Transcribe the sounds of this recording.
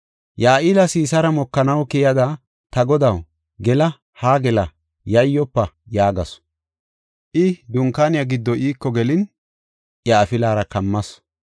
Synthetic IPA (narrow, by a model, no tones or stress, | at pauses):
jaːʔɪlɐsiːsɐɾɐmɔkːɐnɐwkɪjɐd̪ɐ | t̪ɐɡɔd̪ɐw | ɡɛlɐ | haːɡɛlɐ | jɐjːɔpːɐ | jaːɡɐs | ʔɪd̪ʊŋkaːnɪjaɡɪd̪ːɔʔiːkːɔɡɛlɪn | ʔjaːfɪlaːɾɐkɐmːɐs